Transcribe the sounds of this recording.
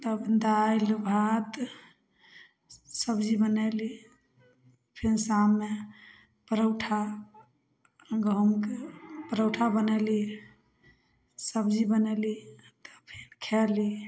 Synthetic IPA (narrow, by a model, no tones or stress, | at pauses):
t̪əbd̪ajlbʱat̪ | səbd͡ʒibənɛli | pʰinsamːe | pəɾəwʈʰa | ɡəumkepəɾəwʈʰabənɛli | səbd͡ʒibənɛli | t̪ə̥pʰinkʰɛli